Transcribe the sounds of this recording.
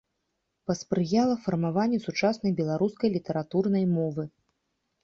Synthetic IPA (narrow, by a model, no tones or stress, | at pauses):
pɐspɾɨjalˠɐfɐrmavanʲːɛsut͡ʂasnɐjbʲɛlˠaɾuskɐjlʲit̪ɐɾat̪urnɐjmɔvɨ